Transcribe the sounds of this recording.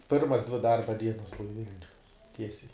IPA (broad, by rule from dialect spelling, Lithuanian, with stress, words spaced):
ˈpʲɪrmɐs dʲʋʲɪ ˈdɐrbɐ ˈdʲiɛnɐs ˈbʊʋɐ ˈʋʲɪlʲnʲʊj ˈtʲiɛsʲɛɪ